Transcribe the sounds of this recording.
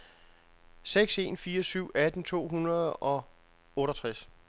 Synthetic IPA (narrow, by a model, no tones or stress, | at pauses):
seɡ̥se̝̰ːnfiːɐsyʊ̰æd̥n̩t͡sʰo̝̰ːɦunɐð̩ˠɒ̽ | ɔ̽ːɾɐt͡sʰʁas